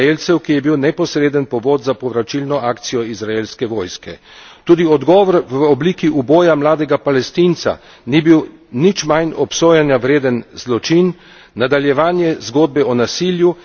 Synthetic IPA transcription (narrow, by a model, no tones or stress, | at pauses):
elt̪sɛwkijɛbiwnɛpɔsɾeːd̪ənpɔʋoːd̪zapɔʋɾat͡ʃilnɔʔaːkt̪sijɔizɾaelskɛʋɔːjskɛ | t̪uːd̪iɔd̪ɡɔːʋɔɾʋɔbliːkiʔuboːjamlaːd̪ɛɡapalɛst̪int̪sa̰ | nibiwnit͡ʃmajnɔpsoːjanjaʋɾeːd̪ənzlɔt͡ʃinː | ad̪aljɛʋaːnjɛzɡoːd̪̚bɛɔnasiːlju